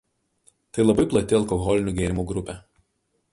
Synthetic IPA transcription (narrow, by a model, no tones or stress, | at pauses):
t̪ɐɪlˠɐbɐɪplˠɐt̪ʲɪɐlˠkɔɣɔlʲɪnʲuːɡʲeːɾʲɪmuːɡɾʊpʲɛ